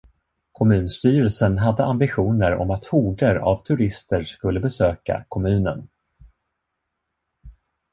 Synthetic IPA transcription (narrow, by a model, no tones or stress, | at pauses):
kʰɔmʉ̟ːnst̪yːɾəlsənɦad̪ːəʔambɪɧuːnəɾɔ̰mat̪huːɖəɾa̰vt̪ʰɵɾɪst̪əskɵlːəbɛsøːka̰kʰɔmʉ̟ːnə̰n